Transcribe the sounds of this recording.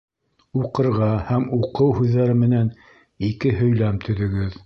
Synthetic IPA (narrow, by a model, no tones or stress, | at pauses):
uqɤ̆ɾʁɑhæmuqɤwhʉðːæɾɘmɘ̆næn | ikɘɦɵ̆jlæmt̪ʰɵ̆ðɵ̆ɡɘð